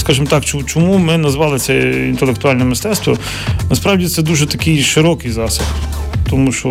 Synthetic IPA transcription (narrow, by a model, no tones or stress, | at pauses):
skɑʒɪmt̪ɑkt͡ʃt͡ʃɔmumɪnɐzʋɑlˠɪsʲɛḭnt̪elˠekt̪ʊɑlʲnɛmɪst̪ɛt̪st̪ʋɔ | nɐspɾɑwdʲit̪sɛd̪uʒɛt̪ɐkijʃɪɾɔkɪjzɑsɐxt̪ɔmuʃt͡ʃɔ